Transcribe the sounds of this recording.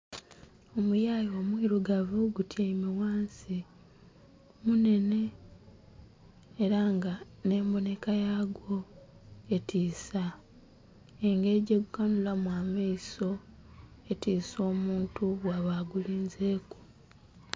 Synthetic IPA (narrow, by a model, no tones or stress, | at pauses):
o̞mujaːjo̞ːmwiːɾuɡavuɡutjaimewaːnsi | mune̞ne̞ | ɾaŋɡa | ne̞ːmbo̞ne̞kajaɡwo̞ | e̞tʰiːsa | eŋɡe̞ɟeɡuɡanulamwaːmaiso̞ | e̞tiːso̞ːmuːntuβwaβaɡuliːnzeːku̥